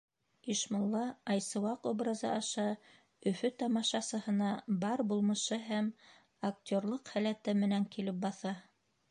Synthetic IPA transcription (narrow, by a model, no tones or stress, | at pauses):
iʃmŏlˠːɑɑjsɤ̆wɑqobɾɑzɑ̰ʔɑʃɑ | ɵ̆fɵt̪ɑmɑʃɑsɤ̆hɤ̆nɑbɑɾbulˠmɤ̆ʃɤɦæm | ak̚t̪ʲorlˠɤqhælæt̪ɘmɘ̆næŋkilɘp̚bɑθɑ